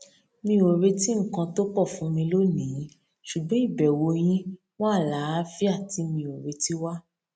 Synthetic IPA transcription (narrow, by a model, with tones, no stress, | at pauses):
mĩ˧˦o˨ɾe˧ti˦ŋ̩˦˨kã˧to˦k͡pɔ˦˨fũ˨˦mĩ˧lo˦nĩ˨˦ | ʃu˨ɡ͡bɔ̃˦i˦˨bɛ˨wo˧j̃ĩ˦ | w̃ɔ̃˦a˦˨la˨˦fi˦a˦˨ti˨˦mĩ˧o˨ɾe˧ti˦wa˦